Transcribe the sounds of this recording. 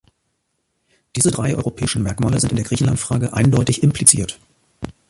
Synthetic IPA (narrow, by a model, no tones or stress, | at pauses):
d̥iːzədʁaɪʔɔ̰ʏʁopʰɛːɪʃn̩mɛɐkmaːləzɪntɪndeːɐɡʁiːçn̩lantfʁ̥aːɡəʔaɪndɔʏtɪçɪmplit͡sḭːɐt